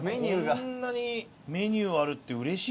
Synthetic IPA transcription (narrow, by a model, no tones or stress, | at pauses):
meɲʲɯːɡanːaɲ̟i | me̞ɲ̟ʲɨːaɾɯ̟t̪ːe̞ɯ̟ɾe̞ɕi